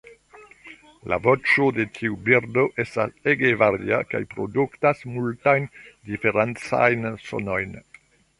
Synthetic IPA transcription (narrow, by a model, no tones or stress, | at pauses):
la̰vo̞t͡ʃo̞de̞tʰiubiɾdo̞ʔe̞staseɡevaɾḭa̰ka̰jpɾo̰duktasmultajndife̞ɾant͡sa̰jnso̞̰no̞jn